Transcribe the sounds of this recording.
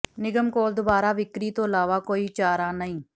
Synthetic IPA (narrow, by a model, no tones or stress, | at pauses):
nɪɡəmkoːld̪ʊbaːɾaːʋɪkɾiːt̪õːəlaːʋaːkoːiːt͡ʃaːɾaːnəĩː